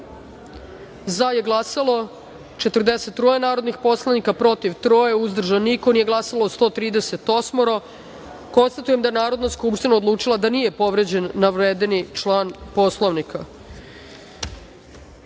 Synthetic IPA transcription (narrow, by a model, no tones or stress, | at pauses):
zaje̞ɡlˠasalˠo̞ | t͡ʃe̞t̪r̩d̪e̞set̪ːɾoːjenaːɾo̞d̪nixpo̞slˠaʋnikapɾo̞t̪iʋt̪ɾoːjeuzd̪r̩ʒanːiko̞niːje̞ɡlˠasalost̪o̞t̪ɾiːd̪ese̞t̪o̞smoɾo | ko̞nst̪at̪uje̞md̪aje̞naːɾo̞d̪naskupʃt̪inao̞d̪lˠuːt͡ʂilˠad̪anije̞po̞ʋɾe̞d͡ʑe̞nːaʋɾeːd̪enit͡ʃlˠaːnpo̞slˠoʋnikʰa